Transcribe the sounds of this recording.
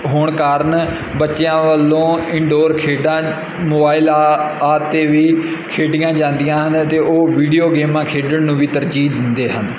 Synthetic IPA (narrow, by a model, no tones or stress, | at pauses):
ɦoːɳkaːɾəɳ | bətːʃejãːʋəlːõːɪɳɖoːɾkʰeːɖãː | moːbaːɪlaːt̪eːʋiːkʰeːɖɪjãːd͡ʒãːnd̪ɪjãːɦənt̪eːoːʋiːɖijoːɡeːmãːkʰeːɖəɳnũːʋiːt̪əɾd͡ʒiːd̪ɪnd̪eːɦənd̪